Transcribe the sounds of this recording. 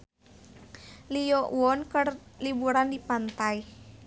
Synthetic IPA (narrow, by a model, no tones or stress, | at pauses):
lijɔʔwɔnkərlibuɾandipant̪aj